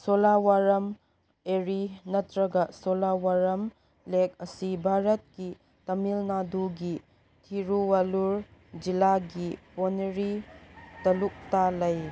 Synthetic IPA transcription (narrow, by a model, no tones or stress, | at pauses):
solawaɾɐm | eɾinɐtɾɐɡɐsolawaɾɐm | lek̚ɐsibʱaɾɐt̚ki | tɐmilnaduɡi | tʰiɾuwaluɾd͡ʒilaɡiponeɾitɐluk̚talɐj